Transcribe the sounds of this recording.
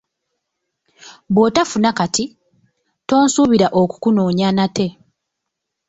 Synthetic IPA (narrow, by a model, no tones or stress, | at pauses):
βwotafunakati | to̞ːnsuːβiɾaʔo̞ku̥kuno̞ːɲanatʰe̞